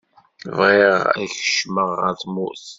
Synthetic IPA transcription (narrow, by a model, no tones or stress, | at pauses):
vʁeʁæ̰çə̥ʃməʁə̰ɾθmṵʔθ